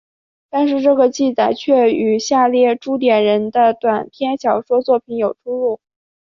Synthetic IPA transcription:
t̪a˥˧nʂ̬ɻ̩˥˧ʈ͡ʂɤ˥˩ɡə˩t͡ɕi˥˩t͡sa˨˩ɪt͡ɕʰɥɛ˥˩y˨˩ɕja˥˧ljɛ˥˩ʈ͡ʂu˥t̪̬jɛ˨˩nɻə˧˥nd̪ə˧t̪wa˨˩npʰjɛ˥nɕjɑ˧˥ʊʂwɔ˥t͡swɔ˥˩pʰi˧˥njo˨˩ʊʈ͡ʂʰu˥lu˥˩

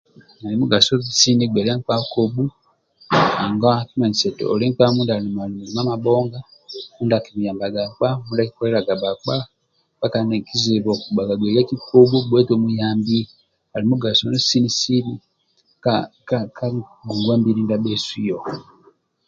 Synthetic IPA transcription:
a˨li˨mu˦ɡa˨so˦si˦ni˦ɡwe˨la˦ŋk͡pa˦ko˨bu˦ | a˨ŋɡa˦ki˦ma˨ɲi˨se˨to˨o̰˨li˦k͡pa˦muː˦nda˨li˨ma˨li˨mu˨i˨ma˦ma˨boː˦ŋɡa˦mu˦nda˨ki˨mu˨jaː˨mba˨ɡa˨k͡pa˦muː˦nda˦ki̥ko˦le˦ɾa˨ɡa˨ba˨k͡pa˦ | ba˦ka˨ne˨ki˦zi˨βo˨ku˨ba˨ɡa˨ɡwe˨li˦a˦ki˦kʰo˦bu˦bwe˦to˦mu˦jaː˦mbi˦ | a˨li˨mu˦ɡa˨so˦nu˦si˦ni˦si˦ni˦ | kaka˦ka˦ɡu˨ŋɡweː˦mbi˦ɾi˦nda˦be˦si˦jo˨

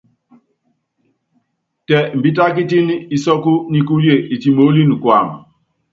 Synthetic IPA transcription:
tɛ˨m̩˨bi˦t̬a˦ki˦ti˦ni˦i˦sɔ˦ku˦ni˦ku˦lje˨ʔi˨ti˨mo˨˦li˦ni˨kwa˨m˨

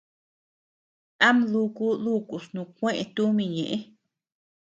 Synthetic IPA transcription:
a˦mlu˧ku˦lu˦˧˨ku˨snũ˧kʷẽ˦ʔẽ˧t̪u˦mĩ˧˨ɲḛ̃˨ʔe˦

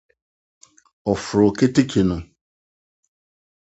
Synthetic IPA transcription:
ɔ˨fɾʊ˨ke˦te˦kʰe˨nʊ̃˨

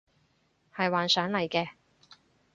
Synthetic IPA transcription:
hɐ˨jwaː˨nsœː˨˥ŋlɐ˨˩jkɛː˧

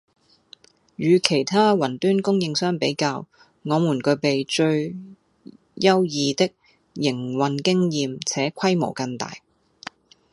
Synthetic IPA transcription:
jyː˨˧kʰe˨˩jt̪ʰaː˥wɐ˨˩nt̪yː˥nkʊ˥ŋjɪ˧ŋsœː˥ŋpe˨˥jkaː˧w | ŋɔː˨˧mu˨˩nkɵ˨˧ɥpe˨jt͡ʃɵ˧ɥ | jɐ˥wjiː˨˧t̪ɪ˥k̚ | jɪ˨˩ŋwɐ˨nkɪ˥ŋjiː˨mt͡sʰɛː˨˥kʷʰɐ˥jmo̰˨˩wkɐ˧ŋt̪a̰ː˨˩j

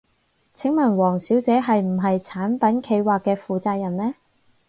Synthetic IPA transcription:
t͡sʰɪ˨˥ŋmɐ˨˩nwɔː˨˩ŋsiː˨˥wt͡sɛː˨˥ɦɐ˨jm̩˨˩ɦɐ˨jt͡sʰaː˨˥npɐ˨˥nkʰe˨˧jwaː˨kːɛː˧fuː˨˧t͡saː˧k̚jɐ˨˩nlɛː˥

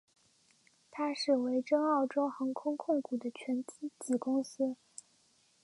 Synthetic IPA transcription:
t̪ʰa˥ʂɻ̩˥˩we˧˥ɪʈ͡ʂɤ˥ŋɑ˥˩ʊʈ͡ʂo˥ʊxɤ˧˥ŋkʰʊ˥ŋkʰʊ˥˩ŋku˨˩d̪ə˦t͡ɕʰɥɛ˧˥nt͡ɕi˥t͡ɕi˨˥˩kʊ˥ŋɕɛ˥

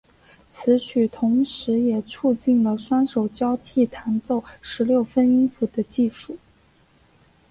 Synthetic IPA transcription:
t͡sʰɹ̩˧˥t͡ɕʰy˨˩t̪ʰʊ˧˥ŋʂɻ̩˧˥jɛ˨˩ʈ͡ʂʰu˥˧t͡ɕi˥˩nlə˩ʂwa˥nʂo˨˩ʊt͡ɕjɑ˥ʊt̪ʰi˥˩t̪ʰa˧˥nt͡so˥˩ʊʂɻ̩˧˥ljo˥˩ʊfə˥ni˥nfu˧˥˩d̪ə˧t͡ɕi˥˧ʂu˥˩

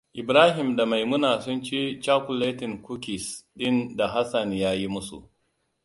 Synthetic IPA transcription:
ʔɪ˨bɾaː˦ɦɪ˨mda˨ma˨jmʊ˦naː˨sʊ˦nt͡ʃi˦t͡ʃaː˦ku˨leː˦tɪ˨ŋku˦ki˨sɗɪ˦nda˨ɦa˦sa˨njaː˦ji˦mʊ˦sṵ˨ʔ

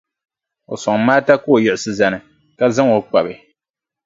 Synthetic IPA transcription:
o˨sɔ˨ŋ˦maː˦ta˦ko˦o˨jɪ˨ʔɪ˨sɨ˨za˨nɨ˨ | ka˦za˦ŋo˨k͡pa˨bɨ˨

